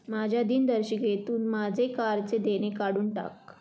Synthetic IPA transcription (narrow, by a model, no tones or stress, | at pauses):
mad͡ʑʱjad̪iːnd̪əɾɕiket̪uːnmad͡zʱekaɾt͡sed̪eɽ̃ekaɽuːɳʈa̰k̚